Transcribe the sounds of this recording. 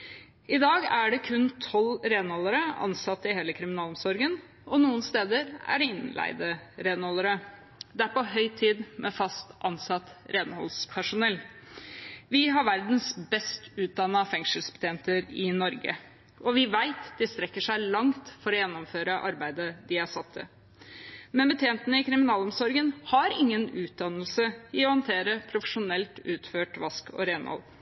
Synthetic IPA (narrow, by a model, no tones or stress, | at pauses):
ɪd̪ɑːɡæɖɛkʰʉnt̪ʰɔlɾeːnhɔlːəɾəɑ̰nsɑt̪ːɪɦeːləkʰɾɪmɪnɑːlɔmsɔɾɡən | ɔnuːənst̪eːd̪əɾæ̰ɖɛɪnlæ̰ɪd̪əɾeːnhɔlːəɾə | d̪ɛæɾpɔɦœʏt̪ʰiːd̪mʔɛfɑst̪ʔɑnsɑt̪ɾeːnhɔlspʰæʂʊnɛlː | ʋɪɦɑɾʋæɾd̪nsbɛst̪ʉːt̪̚d̪ɑnːɑfɛŋʂəlsbə̥t̪ʰeːnt̪əɾɪnɔɾɡə̰ | ʔɔʋɪʋæɪt̪d̪ɪst̪ɾɛkːəʂæɪlɑŋt̪fɔɾɔjɛnːʊmføːɾəʔɑ̰ɾbæɪd̪əd̪ɪæʂɑt̪ʰːə̰ | mɛnbət̪ʰjeːnt̪ənəɪkɾɪmɪnɑːlɔmsɔɾɡənhɑɾɪŋːənʉːt̪̚d̪ɑnːəlsəɪɔhɑnt̪ʰeːɾəpʰɾʊfəʂʊnɛlt̪ʉːt̪føːʈʋɑskɔ̰ɾeːnhɔ̰l